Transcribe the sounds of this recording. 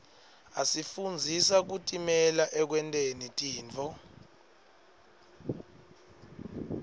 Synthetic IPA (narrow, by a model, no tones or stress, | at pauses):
asifund͡zʱisak̬utʼimɛlaʔɛk̬wɛntʼenitʼiːnt͡fʰɔ